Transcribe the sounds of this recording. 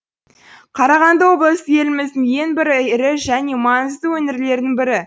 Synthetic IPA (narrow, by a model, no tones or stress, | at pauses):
qʰɑɾɑʁɑnd̪əwo̞blˠəst̪əe̞lɪmɪzd̪ɪŋje̞ŋbɪɾɪɾɪʒæne̞mɑŋəzd̪əwɵnɪɾle̞ɾd̪ɪŋbɪɾɪ